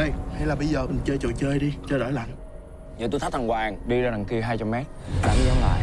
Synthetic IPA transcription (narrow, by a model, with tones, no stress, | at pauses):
ə˧˩jha˧jlaː˨˩ɓə˧jzəː˨˩mï˨˩ŋ̟t͡ɕəː˧jt͡ɕə̰˧˨t͡ɕəː˧jɗi˧t͡ɕɔ˧ɗo̰˧˩jla̰˧˨jŋ | zəː˨˩t̪u˧jt̪ʰa˦˥t̪ʰa˨˩ŋkwaː˨˩ŋɗi˧zaː˧˩na˨˩ŋki˧ɦaː˧jt͡ɕa˧mːɛ˦˥t̚ɗa̰ː˨˧˦ŋ˧zɔ˧ŋla̰ː˧˨j